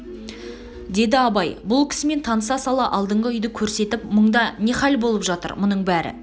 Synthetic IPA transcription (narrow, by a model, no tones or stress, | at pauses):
d̪e̞d̪ɪɑbɑjbʊlˠkʲʰɪ̥sɪme̞nt̪ʰɑnəsɑsɑlˠɑʔɑlˠd̪əɴʁəʏjd̪ɪkʲʰɵɾse̞t̪ɪpməɴd̪ɑne̞χɑlbo̞lˠəpʒɑt̪ə̰ɾmʊnəɴbæɾɪ̰